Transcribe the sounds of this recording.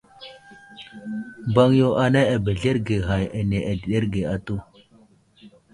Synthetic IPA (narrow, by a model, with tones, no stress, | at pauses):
ba˦ŋjo˦ʔa˨na˦a˨be˨ɮe˦ɾɡe˨ɦa˨ja˨ne˨ʔa˨di˨ɗe˦ɾɡe˨a˨tu˦˨